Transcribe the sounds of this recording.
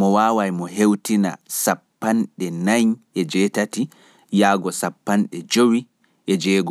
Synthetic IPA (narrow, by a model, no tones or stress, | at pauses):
mɔwaːwajmɔɦewtina̰sapːanɗɛnajɲɛd͡ʒɛtati | jaːɡɔsapːanɗɛd͡ʒowi | ɛd͡ʒɛːɡɔ